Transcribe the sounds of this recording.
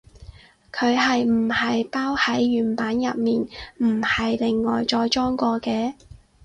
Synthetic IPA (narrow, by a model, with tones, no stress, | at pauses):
kʰɵ˨˧ɥɦɐ˨jm̩˨˩hɐ˨jpaː˥whɐ˨˥jɥyː˨˩npaː˨˥njɐ˨p̚miː˨nm̩˨˩hɐ˨jlɪ˨ŋːɔː˨jt͡ʃɔː˧jt͡ʃɔː˥ŋkʷɔː˧kɛː˧